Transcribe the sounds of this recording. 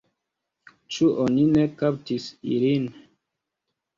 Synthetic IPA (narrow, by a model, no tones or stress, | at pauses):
t͡ʃuʔoninekap̚tisḭlin